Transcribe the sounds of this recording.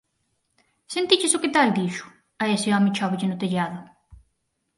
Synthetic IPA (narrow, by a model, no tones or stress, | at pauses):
sent̪it͡ʃɪsʊket̪ald̪iʃʊ̥ | aesɪɔmɪ̃t͡ʃɔβɪʎɪnʊt̪eʎaðʊ